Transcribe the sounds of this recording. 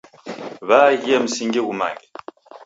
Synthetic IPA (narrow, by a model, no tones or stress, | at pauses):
βaɣem̩siŋɡiɣuma̰ŋɡɛ